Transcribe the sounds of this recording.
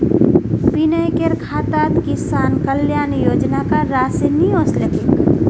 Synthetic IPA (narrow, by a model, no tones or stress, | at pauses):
pinəjkeɾkʰaːt̪aːt̪kisaːnkəljaːnjoːd͡ʒnakaɾaːseniõːslekek